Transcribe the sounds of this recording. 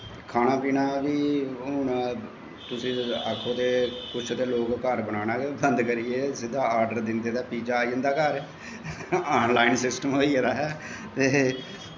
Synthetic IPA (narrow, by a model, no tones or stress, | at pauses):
kʰaːɽaːpiːnaːʋiːɦʊɳː | t̪ʊsĩːakʰːoːt̪eːkʊt͡ʃʰt̪eːloːkkəɾbənaːnaːbənd̪kəɾɪjeːsɪd̪aːaːɾɖəɾd̪ɪnd̪eːd̪aːpiːt͡ʃaːiə̃nd̪aːkəɾ | aːnlaːinsɪsʈəmɦoːiːed̪aːɦɛː | t̪eː